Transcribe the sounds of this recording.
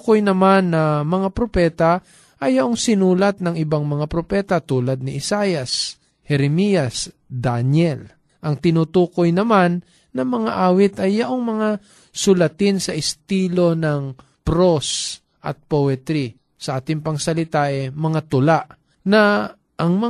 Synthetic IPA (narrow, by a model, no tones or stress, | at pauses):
kojnɐmanːɐmɐŋapɾopɛːt̪a | ʔɐjːɐʔoŋsɪnuːlɐt̪̚nɐŋɪbaŋmɐŋapɾopɛːt̪ɐt̪uːlɐd̪̚nɪʔɪsajɐs | hɛɾɛmijɐs | d̪anjɛl | ʔɐŋt̪ɪnut̪uːkojnɐmanː | ɐmɐŋaʔaːwɪt̪ɐjːɐʔoŋmɐŋa | sʊlɐt̪ɪnsɐʔɪst̪iːlo̞nɐŋ | pɾos | ʔɐ̰t̪̚powɛt̪ɾi | sɐʔaːt̪ɪŋpɐŋsɐlɪt̪aʔɛmɐŋat̪ʊlaʔ | nɐ | ʔɐŋmɐ